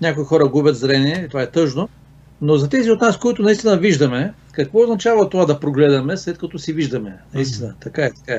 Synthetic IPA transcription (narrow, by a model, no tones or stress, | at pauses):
nʲakoixɔɾɐɡubʲɐt̪zɾɛniɛit̪ovaɛt̪ɤʒno | nozɐt̪ɛziot̪naskoit̪ʊnɐist̪inɐviʒd̪ɐmɛ | kɐkvɔoznɐt͡ʃavɐt̪ovad̪ɐpɾoɡlɛd̪ɐmɛslɛt̪kɐt̪ɔsiviʒd̪ɐmɛnɐist̪inət̪ɐkaɛt̪ɐ̥kaɛ